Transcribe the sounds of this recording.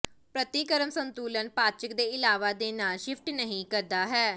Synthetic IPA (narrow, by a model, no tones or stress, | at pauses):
pɾət̪iːkəɾəmsənt̪uːlənpaːt͡ʃəkd̪eːɪlaːʋaːd̪eːnaːlʃɪfʰʈnəɦĩːkəɾd̪aːɦɛː